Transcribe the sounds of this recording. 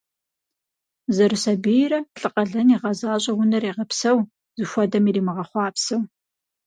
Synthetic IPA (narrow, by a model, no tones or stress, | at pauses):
zɐrɨsɐbijrɐɬʼɨqʼɐɮɐniʁɐzaːɕʼɐwʊnɐreːʁɐpsɐw | zɨʃʷɔdɐmiːriːmɨʁɐχʷɑːpsɐw